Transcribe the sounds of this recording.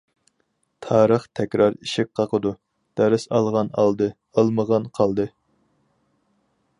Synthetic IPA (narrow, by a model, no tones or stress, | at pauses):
t̪ʰɑːɾəχt̪ʰɛkʲɾɑɾiʃɪk̚ʲqʰɑqʰəd̪u | d̪̥ɛɾɪsɑlˠʁɑnɑlˠd̪ɨ | əlˠməʁɑnqʰɑlˠd̪ɨ